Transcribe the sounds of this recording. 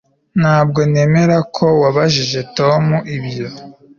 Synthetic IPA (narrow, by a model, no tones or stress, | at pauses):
nhaːbɡo̞ne̞ːme̞ɾakʰo̞waβaʒiʒe̞to̞muʔibjo̞